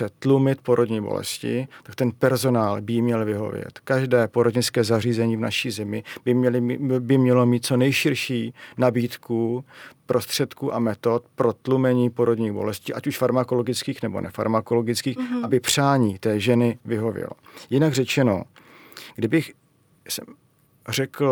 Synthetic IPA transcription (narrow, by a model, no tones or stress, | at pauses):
ɛt̪lumɪt̪̚po̞ɾodɲiːbo̰lɛ̰scɪ̰t̪ak̚t̪ɛnpɛɾzo̞naːlbɪjimɲɛlvɪɦo̞̰vjɛ̰t̪kaʒdɛːpoɾodɲɪt͡skɛːzariːzɛɲiːvna̰ʃiːzɛmɪ | bɪmɲɛlo̞miːt̪̚t͡so̞nɛjʃɪɾʃiːnabiːt̪kupɾʔo̞st̪r̥ɛt̪kuːʔamɛt̪o̞t̪pɾo̞t̪lumɛɲiːpo̞ɾodɲiːɣbo̞lɛsciːʔacuʃfaɾmako̞lo̞ɡɪt͡skiːxnɛbo̞̰nʔɛfa̰ɾmako̞lo̞ɡɪt͡skiːxʔabɪpr̝̥aːɲiːt̪ɛːʒɛnɪvɪɦo̞vjɛ̰lo̰jɪnaɡrɛt͡ʃɛno̞̰ | ɡdɪbɪx | sɛm | r̝ɛkl̩